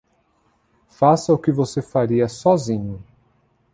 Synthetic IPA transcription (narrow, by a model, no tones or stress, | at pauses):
fasɐʊkɪvosefaɾiɐsɔzĩɲʊ